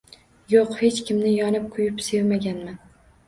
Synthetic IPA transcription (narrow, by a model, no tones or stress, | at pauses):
joqhe̞t͡ʃkʲʰɪmnɪjɒnɪp̚kʰʊjɪpse̞vmaɡʲanman